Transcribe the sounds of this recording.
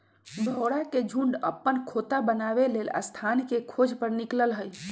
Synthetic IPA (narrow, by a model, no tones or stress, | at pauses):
bʱəɽaked͡ʒʱũɳɖə̰pːənkʰot̪abənabelelə̰st̪ʰankekʰod͡ʒʱpəɾnikləlɦəj